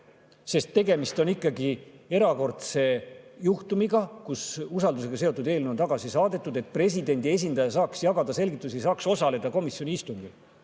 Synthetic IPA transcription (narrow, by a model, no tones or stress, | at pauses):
se̞st̪ːe̞ɡe̞mist̪o̞nikˑːɑɡie̞ɾɑko̞rt̪se̞juht̪umiɡɑkususɑld̪us̬e̞ɡ̥ɑse̞o̞t̪ːˑud̪eːlneo̞nt̪ɑɡ̥ɑsisɑːd̪e̞t̪ːˑud̪e̞t̪̚ˑpre̞s̬ʲid̪e̞nʲd̪ie̞s̬ʲind̪̥ɑjɑs̬ɑːksjɑɡɑd̪̥ɑse̞lɡit̪ːˑus̬iesɑːkso̞sɑle̞d̪̥ɑko̞misjo̞nʲiist̪uŋɡ̥i